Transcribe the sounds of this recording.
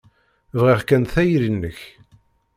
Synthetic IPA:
vʁiʁkænθæjɾinːəç

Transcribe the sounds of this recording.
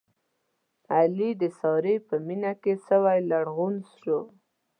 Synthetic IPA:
alid̪əsɑɾepəminakesəwajlaɽɣunsʂo

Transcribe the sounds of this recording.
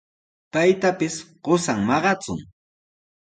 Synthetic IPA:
pajt̪apɪsɢosaŋmɑɢɑt͡sʊ̰ŋ

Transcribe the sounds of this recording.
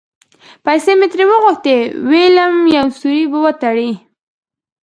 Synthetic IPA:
pajsemet̪ɾewəɣʊxt̪eweləmjawsuɾibəwət̪aɽi

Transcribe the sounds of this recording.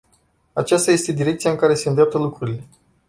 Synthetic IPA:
at͡ʃast̪aje̞st̪e̞d̪iɾe̞k̚t̪sijaɨŋkaɾe̞se̞ɨnd̪ɾap̚t̪əlukɾuɾile̞

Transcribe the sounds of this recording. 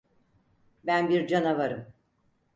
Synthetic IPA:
bænbiɾd͡ʒanavaɾɯm

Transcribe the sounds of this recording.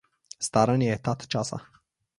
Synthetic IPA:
st̪aɾənjet̪at̪t͡ʃasa̰

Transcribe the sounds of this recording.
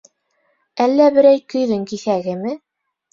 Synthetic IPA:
ælːæbɘ̆ɾæjkɵ̆jðɘŋkiθæɡɘmɘ

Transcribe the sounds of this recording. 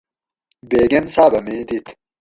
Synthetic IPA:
beːɡemsaːbɐmẽːd̪it̪

